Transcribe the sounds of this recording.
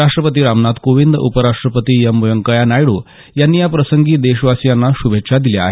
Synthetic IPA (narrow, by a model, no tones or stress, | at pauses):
aʂʈɾəpət̪iːɾamnat̪koʋind̪ṵpəɾaʂʈɾəpət̪iːjəmːujəŋkəjanajɽu | janːiːjapɾəsəŋɡiːd̪eɕʋasjanːaɕubʱetːʂʰad̪ilea̰ɦe